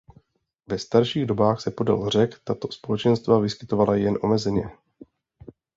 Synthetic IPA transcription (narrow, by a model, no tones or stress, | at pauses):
vɛst̪aɾʃiːɣdo̞baːxsɛpo̞da̰lr̝ɛkt̪at̪o̞̥spo̞lɛt͡ʃɛnst̪vavɪskɪ̥t̪o̞valajɛnʔo̞mɛzɛɲɛ